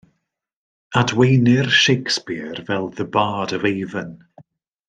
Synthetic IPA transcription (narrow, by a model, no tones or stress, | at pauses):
adwejnɪrʃejkspɪrvɛlˠðəbaːdəvejðən